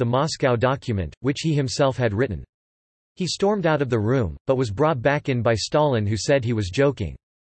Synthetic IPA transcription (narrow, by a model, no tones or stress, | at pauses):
ðəmɑskaʊdɑkʰjɨmɨ̰̃nʔ̚wɨt͡ʃhihɨ̃msɛlˠfhɨd̚ɹɪʔn̩ | histɔɹmdaʊɾʌvðɨɹũmb̥ʌt̚wʌzbɹɔt̚b̥ækɨ̃nbaɪstɑlˠɨ̃nɦʉsɛd̚iwʌzd͡ʒoʊkɪ̰̃ŋ